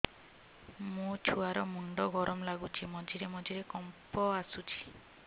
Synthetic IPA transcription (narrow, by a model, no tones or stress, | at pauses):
mũt͡ʃʰuaɾɔmuɳɖɔɡɔɾɔmlaɡut͡ʃʰimɔd͡ʒiɾemɔd͡ʒiɾekɔmpɔasut͡ʃʰi̥